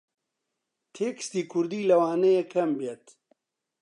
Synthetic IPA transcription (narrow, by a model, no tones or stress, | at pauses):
t̪ʰeːkɨ̥st̪iːkʰʊɾd̪iːlɐwaːnejekʰɐmbeːt̪